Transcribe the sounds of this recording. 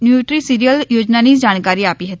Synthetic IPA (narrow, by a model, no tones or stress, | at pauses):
njuːʈɾisiɾijəljoːd͡ʒnaniːd͡ʒaːɽ̃kaːɾiaːpiɦət̪i